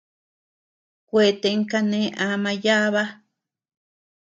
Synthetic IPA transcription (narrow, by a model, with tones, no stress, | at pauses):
kʷe˨t̪e˧˨˦ŋ˦ka˦nẽ˦ʔã˨˦mã˧ja˦βa˦